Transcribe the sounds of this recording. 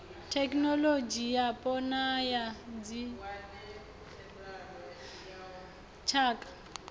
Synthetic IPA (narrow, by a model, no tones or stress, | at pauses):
tʰɛknɔlod͡ʒijapʼɔnajad͡zi | t͡ʃʰaːkʼḁ